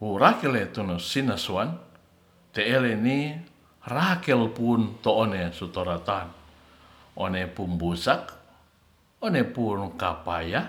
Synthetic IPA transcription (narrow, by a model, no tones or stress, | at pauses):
urakɛlet̪unusinasuan | t̪eːleni | rakɛlpunt̪oːnesut̪oɾat̪an | ʔonepumbusak | onepuːnkapa̰ja